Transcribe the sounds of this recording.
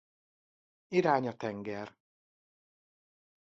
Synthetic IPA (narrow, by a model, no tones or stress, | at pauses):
iɾaːɲɒt̪ɛŋɡɛr